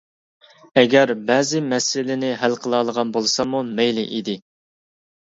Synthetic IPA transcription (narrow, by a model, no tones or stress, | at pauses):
ɛɡʲɛɾbɛːzɪmɛsɪlɪnɪɦælqʰəlˠɑːlˠəʁɑnbolˠɨsɑmumɛjlɪ̰ʔid̪ɪ